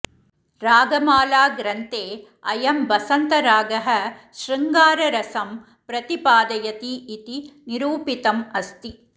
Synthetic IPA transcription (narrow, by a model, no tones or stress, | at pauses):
ɾaːɡɐmaːlaːɡɾɐnt̪eː | ɐjɐmʋɐsɐnt̪ɐɾaːɡɐɦɐʃɾɐŋɡaːɾɐɾɐsɐm | pɾɐt̪ipaːd̪ɐjɐt̪iːt̪iniɾuːpit̪ɐmɐst̪i